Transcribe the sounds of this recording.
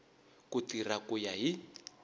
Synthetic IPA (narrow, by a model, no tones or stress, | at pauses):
kutirakujaɦi